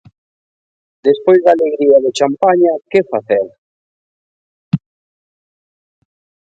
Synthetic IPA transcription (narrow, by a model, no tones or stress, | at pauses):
d̪espojzd̪aleɣɾiaðet͡ʃampaɲakefaθɛl